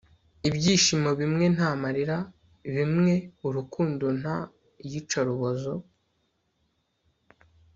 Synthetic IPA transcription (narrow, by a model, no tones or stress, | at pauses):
ibɟiːʃimo̞βimŋe̞n̥haːmaɾiɾa | βimŋe̞uɾukuːndon̥ha | jit͡ʃaɾuβozo